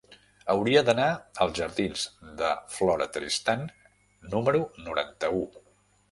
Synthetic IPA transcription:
əwɾiəd̪ənaəlˠzʒəɾðinzd̪əflɔɾə̰t̪ɾist̪anː | uməɾunuɾa̰nt̪əu

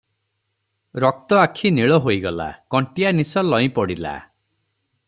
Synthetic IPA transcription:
ɾɔk̚t̪ɔakʰiniɭɔɦojɡɔla̰kɔɳʈianisɔlɔĩpɔɽila̰

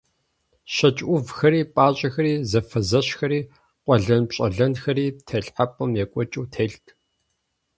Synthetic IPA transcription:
ʃɐt͡ʃʼʔʷʊvxɐɾiːpʼaːɕʼɐxɐɾiːzɐfɐzɐɕxɐɾiː | qʷʼɔɮɐnpɕʼɐɮɐnxɐɾiːtʰɐɬħapʼɨmjɛkʷʼɔt͡ʃʼuːtʰeːɬtʰ

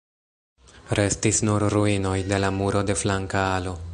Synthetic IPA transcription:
ɾe̞stisnuɾɾuino̞jde̞lamuɾo̞de̞flaŋkaalo̞

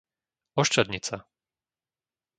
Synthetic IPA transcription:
ɔʃt͡ʃad̪ɲit͡sa

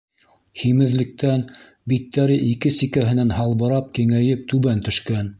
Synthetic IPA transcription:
himɘ̆ðlɘ̆k̚t̪æn | bit̪ːæɾɘʔikɘsikæɦɘ̆nænhɑlˠβɤ̆ɾɑp̚kiŋæjɘp̚t̪ʉβænt̪ɵ̆ʃkæn

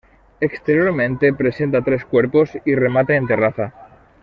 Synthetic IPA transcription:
ekst̪e̞ɾjo̞ɾmẽnt̪e̞pɾe̞se̞nt̪̬at̪ɾe̞skwe̞ɾpo̞sire̞mat̪eːnt̪e̞raθa

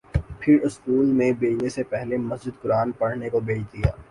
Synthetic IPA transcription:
pʰɪɾʊskuːlmẽbeːd͡ʒnesepɛɦlemɐsd͡ʒɪd̪̚kʊɾaːnpɐɽ̤nekobeːt͡ʃd̪ija̰ː

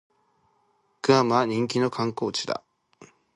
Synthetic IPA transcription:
kɯ̟amaɲ̟ĩŋkʲino̞kãŋko̞ːt͡ɕi̥d̪a̰

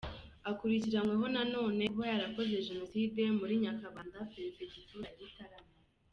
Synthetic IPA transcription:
akuɾiciɾamŋweɦo̞nano̞ːne̞ɦojaɾako̞ze̞ʒeno̞side̞muɾiɲakaβaːndapeɾezeɟituɾaɾitaɾama

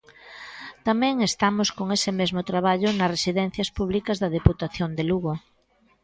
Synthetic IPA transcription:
t̪amɛ̃ŋest̪amoskoŋesɪmezmʊt̪ɾaβ̞aʎʊnɐsresiðɛn̟θjɐspuβ̞likɐzðɐð̞eput̪aθjond̪eluɣo

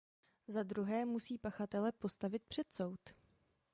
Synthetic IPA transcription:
zad̪ɾuɦɛːmusiːpaxat̪ɛlɛpo̞st̪avɪt̪̚pr̥ɛt̪so̞wt̪

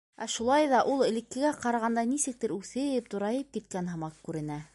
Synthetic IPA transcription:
æʃulˠɑjðɑʔulˠɘ̆lɘ̆kːɘ̆ɡæqɑɾɑʁɑnd̪ɑnisɘ̆k̚t̪ɘɾʉθɘ̆jɘp̚t̪ŏɾɑjɤp̚kit̪̚kænɦɤ̆mɑqkʉɾɘ̆næ

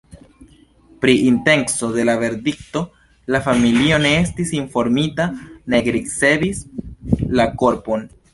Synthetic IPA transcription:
pɾiʔinte̞ŋkso̞de̞lave̞ɾdikto̞ | lafamilio̞ne̞estisinfo̞ɾmitane̞ɡɾise̞bis | lako̞ɾpo̞n

